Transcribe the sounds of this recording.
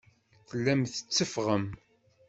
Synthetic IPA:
θəlːæmθə̥t͡sːəfʁəm

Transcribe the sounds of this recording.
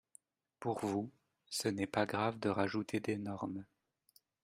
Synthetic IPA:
puʁvu | sənɛpaɡʁavd̪əʁaʒut̪ʰed̪enɔʁm

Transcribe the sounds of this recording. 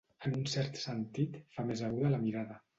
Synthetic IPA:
ənunsɛɾt̪sənt̪it̪famezəɣuðələmiɾaðə

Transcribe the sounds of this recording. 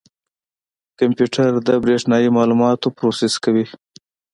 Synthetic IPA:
kampjuʈaɾd̪əbɾeʂnɑjimɑlumɑt̪opɾosɪskawi

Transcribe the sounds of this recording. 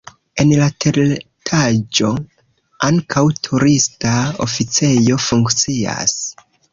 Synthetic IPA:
e̞nlatʰeɾ | tʰad͡ʒo̞ | aŋkʰawtʰuɾistao̰fit͡se̞jo̞fuŋkt͡sia̰s

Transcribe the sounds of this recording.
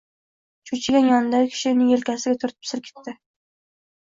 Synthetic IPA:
t͡ʃʰut͡ʃʰɪɡʲanjɒnd̪ajkʲʰɪ̥ʃɪnɪŋelkʲʰasɪɡʲat̪ʰʊɾt̪̚pʰɪ̥sɪlkʲʰe̥t̪ːɪ

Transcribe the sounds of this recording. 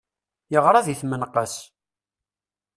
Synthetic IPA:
jəʁɾˤɑðiθmənqəs

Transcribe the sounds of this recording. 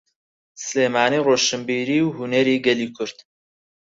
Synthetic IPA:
sɨleːmaːniːroːʃɨmbiːɾiːwhunɛɾiːɡɛliːkʰʊɾt̪

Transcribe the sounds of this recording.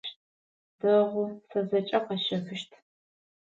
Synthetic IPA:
d̥ɐʁʷʊsɐzɐt͡ʃʼɐqɐʃɐfɨʃtʰ

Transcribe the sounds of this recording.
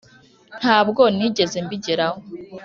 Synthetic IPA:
n̥haːbɡo̞niːɟe̞ze̞mbiɟiɾaho

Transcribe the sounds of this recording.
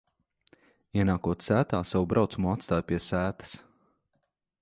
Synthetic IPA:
iɛnaːkuɔt̪sæːt̪aːsawubɾawt̪sumuat̪st̪aːjpʲiɛsæːt̪ə̥s

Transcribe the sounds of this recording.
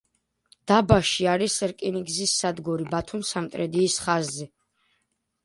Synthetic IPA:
d̪̥abaʃiaɾisɛɾkʼiniɡzisːad̪ɡɔɾibat̪ʰumsamt̪ʼɾɛd̪iːsχazːɛ

